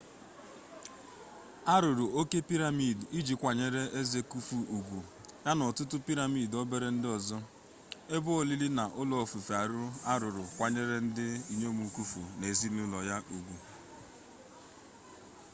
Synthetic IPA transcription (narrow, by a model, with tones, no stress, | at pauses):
a˦ɾʊ˨ɾʊ˨o˦ke˦pi˦ɾa˨mi˨di˦d͡ʒi˨kʷa˨ɲe˦˨ɾe˦ʔe˦ze˨ku˦fu˨u˨ɡʷu˨ | ja˦nɔ˨tʊ˦tʊ˦pi˦ɾa˨mi˦˨dɔ˦be˦ɾe˦n̩˦dɪ˦ɔ˨zɔ˦ | e˦bʊ˦o˦li˦li˦na˨ʔʊ˦lɔ˨fu˨fa˨ɾʊ˦a˦ɾʊ˨ɾʊ˨kʷa˨ɲe˦ɾe˦n̩˦dɪ˦i˦ɲo˦mu˨ku˦fṵ˨ne˨zi˦nʊ˦lɔ˨ja˦ʔu˨ɡʷu˨